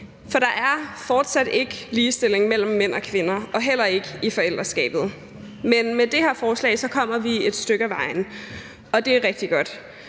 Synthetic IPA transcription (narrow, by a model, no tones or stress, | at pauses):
fɒ̽d̥ɑ̈ʔæɐfɒːd̥sæd̥e̝ɡ̥əliːsd̥e̝l̰e̝ŋmel̰m̩ːen̰ɒ̽kʰʋenɐɒ̽ɦel̰ɐe̝ɡ̥əifɒ̽el̰d̥ʁɐsɡ̥ɛ̰ːb̥ð̞̩ˠ | menmed̥e̝heɐfɒːslɛ̰ɪsɒ̽kʰɒ̽m̰ɐʋie̝d̥sd̥øɡ̥əæʋɑ̈ɪ̰n̩ | ɒ̽d̥e̝æɐʁɛɡ̥̚d̥iɡ̥ɒ̽d̥